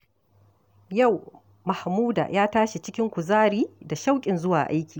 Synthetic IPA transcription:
ja˦˨w | ma˨hmuː˦da̰ː˨jaː˦taː˦ʃi˨t͡ʃɪ˦kʲɪ˦ŋkʷu˨zaː˦ɽiː˦da˨ʃa˦wkʲʼɪ˨nzʊ˦waː˨ʔa˦jkʲiː˨

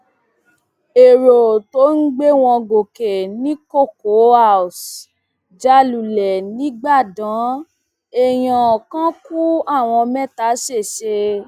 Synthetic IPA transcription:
e˨ɾo˨to˨˦n̩˦ɡ͡be˦w̃ɔ̃˧ɡo˨ke˨nĩ˨˦ko˦˨ko˨˦a˦˨s | d͡ʒa˧lu˨lɛ˨nĩ˨˦ɡ͡ba˦˨dã˨˦ | e˨j̃ɔ̃˨kã˦ku˦a˦˨w̃ɔ̃˧mɛ̃˦ta˨˦ʃe˦˨ʃe˧

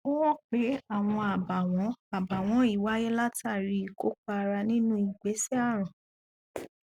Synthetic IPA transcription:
o˦wɔ̃˦k͡pe˨˦a˦˨w̃ɔ̃˧a˨ba˨wɔ̃˨˦a˨ba˨w̃ɔ̃˨˦i˦˨wa˨˦jɛ˦la˦ta˦˨ɾi˧˨ko˦k͡pa˧ɾa˧nĩ˦nũ˦i˨ɡ͡be˨˦sɛ˦a˦˨ɾ̃ã˨

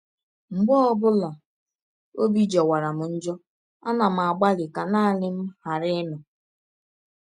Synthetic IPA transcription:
ŋ͡m̩˨ɡ͡bɔ˦ɔ˦bʊ˦la˨ | o˦bi˦d͡ʒɔ˨wa˨ɾa˨m̩˨n̩˦d͡ʒɔ˦ | a˦na˨m̩˨a˨ɡ͡ba˦lɪ˨ka˨na˦˨lɪ˦m̩˦ha˨ɾɪ˦nʊ˨

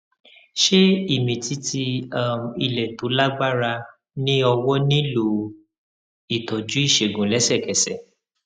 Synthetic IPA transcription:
ʃe˦i˦˨mĩ˨ti˧˦tʰi˧a˦˨m˨i˧˨lɛ˨to˨˦la˦ɡ͡ba˦ɾa˧ | nĩ˦ɔ˧wɔ˦nĩ˦lo˨ | i˨tɔ˨d͡ʒũ˨˦i˦˨ʃe˨ɡũ˨˦lɛ˨˦sɛ˦˨kɛ˨sɛ˨

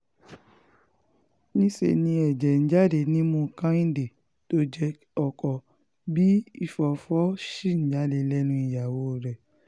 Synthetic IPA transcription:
nĩ˦sḛ˧˨nĩ˧ɛ˨d͡ʒɛ˨n̩˨˦d͡ʒa˦de˧nĩ˦mũ˧kã˦ĩ˦de˨ | to˦d͡ʒɛ˧ | ɔ˨kɔ˨ | bi˦i˦˨fɔ˨fɔ˨˦ʃi˦˨n̩˦d͡ʒa˨˦de˧lɛ˦nũ˧˦i˨ja˨wo˨˦˨ɾɛ˨

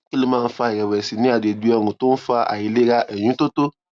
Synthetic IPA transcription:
ki˦lo˦mãː˦˧˦fa˧i˨ɾɛ˨wɛ˨si˨nĩ˦a˦˨de˨bi˨ɔ˧ɾũ˨to˦n̩˦fa˧ʔa̰˨ji˨le˦ɾa˧ʔɛ˨j̃ũ˨˦to˦to˦

